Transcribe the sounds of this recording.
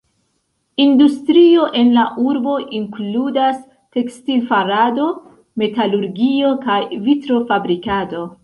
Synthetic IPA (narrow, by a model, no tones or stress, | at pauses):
industɾio̞ʔe̞nlaʔuɾbo̞ʔiŋkludas | te̞kstilfaɾado̞ | me̞taluɾɡio̞kajvitɾo̞fabɾikado̞